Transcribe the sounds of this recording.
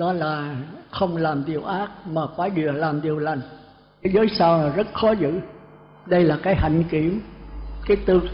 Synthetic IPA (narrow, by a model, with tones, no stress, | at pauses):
ɗɔ˨˦laː˨˩xə˧wŋ͡mlaː˨˩mzi˨˩əwʔaː˦˥t̚maː˨˩kwaː˨˦jɗi˨˩əlaː˨˩mɗi˨˩əwla˨˩jŋ̟ | kaː˨˦jzəː˨˦jsaː˧wlaː˨˩zə˦˥t̚xɔ˨˦zɨ̰˧˥˨ | ɗə˧jlaː˨˩kaː˨˦jha̰˧˨jŋ̟ki˧˩˨əmkaː˨˦jt̪ɨ˧